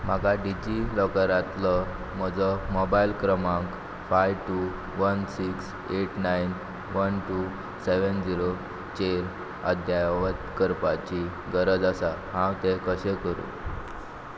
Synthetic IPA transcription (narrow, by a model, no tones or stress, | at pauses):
m̤akaɖid͡ʑilɔkəɾãt̪lɔ | m̤əd͡zəmobailkɾəmãk | fajʋʈu | ʋənsiks | eʈnajn | ʋənʈu | seʋənd͡ʑiɾo | t͡ɕeɾ | ə̰d̪ʱjajʋət̪kəɾpat͡ɕi | ɡəɾəd͡zasaɦãwt̪ekəɕɛkəɾṵ̃